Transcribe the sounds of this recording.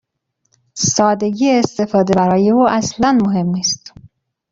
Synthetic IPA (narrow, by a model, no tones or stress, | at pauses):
sɒːd̪e̞ɡiːeːst̪e̞fɒːd̪e̞bæɾɒːje̞uːʔæslænmoɦe̞mːiːst̪